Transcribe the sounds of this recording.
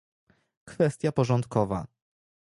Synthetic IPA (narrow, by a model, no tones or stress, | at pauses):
kfɛst̪ʲjapɔʐɔnt̪kɔva̰